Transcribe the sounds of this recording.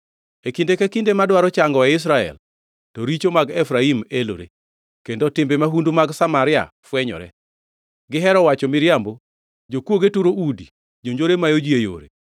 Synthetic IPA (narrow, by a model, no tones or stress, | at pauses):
ekindekekindemadwaɾɔt͡ʃaŋɡɔaɪs̬ɾaɛ̰l | tɔɾit͡ʃomaɡɛfɾaimelo̰ɾḛ | kendotɪmbemaɦundumaɡsamaɾɪa̰ | fwɛɲɔ̰ɾɛ̰ | ɡɪɦɛɾɔwat͡ʃɔmɪɾjambo | d͡ʒokwoɡetuɾoudi | d͡ʒoɲd͡ʒoɾemajod͡ʒjejo̰ɾḛ